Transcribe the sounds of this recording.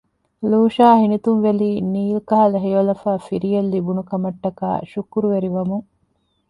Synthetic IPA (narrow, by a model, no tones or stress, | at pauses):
luːʃaːhinit̪unʋeliːniːlkɐɦɐlɐɦejolɐfaːfiɾijelːibunukɐmɐʈːɐka̰ːʃukuɾuʋeɾiʋɐmuŋ